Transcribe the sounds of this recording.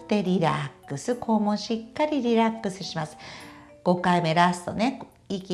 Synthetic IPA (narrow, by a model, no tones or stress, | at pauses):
t̪e̞ɾʲiɾa̰kːɯ̟sɨkʰo̞mõɕikːaɾʲiɾʲiɾakːɯ̟sɨɕimasɨ̥ | ɡ̥o̞kaime̞ɾasɨ̥t̪one̞ | ikʲi